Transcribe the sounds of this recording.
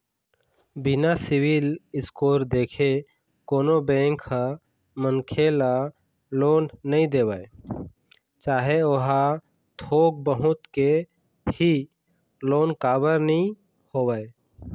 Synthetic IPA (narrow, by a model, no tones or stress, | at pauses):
bɪnasɪwilɪskoːɾd̪eːkʰe | koːnobẽːŋkːa | mənkʰela | loːnːəĩd̪eːwae | t͡ʃaːɦeoɦa | t̪ʰoːɡ̚bəɦʊt̪ke | hi | loːnkaːbəɾnĩ | hoːwaːe